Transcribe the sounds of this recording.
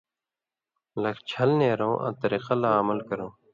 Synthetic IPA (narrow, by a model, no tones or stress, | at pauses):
lɐkt͡ɕʰɐlneːɾõːʔɐ̰̃t̪əɾeːqɐlaːɐməlkəɾõː